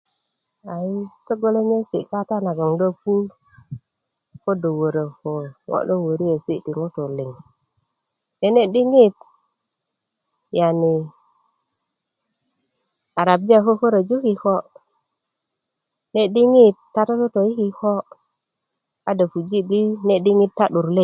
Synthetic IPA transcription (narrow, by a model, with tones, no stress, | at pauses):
a˨i˦to˦ɡo˦le˦ɲe˦sḭ˨ka˦ta˦na˨ɡo˨ŋdo˦pu˦ | ko˦do˨wo˨ɾə˨ho˨wo̰˦˨ɗo˦wo˨ɾi˦je˨si˦di˨ŋo˦to˨li˨ŋ | ne˨ne˦ɗi˦ŋi˦t̚ | ja˨ni˨ | a˨ɾa˨bi˦ja˨ko˦fo˦ɾa˨d͡ʒu˦ki˨ho˦ | ne˦ɗi˦ŋi˦t̚ːa˦to˦to˦to˨ji˦ki˦ho˦ | a˦da˨fu˨d͡ʒi˦ɗi˦ne˦ɗi˦ŋi˦tːa˦ɗu˨ɾle˦˨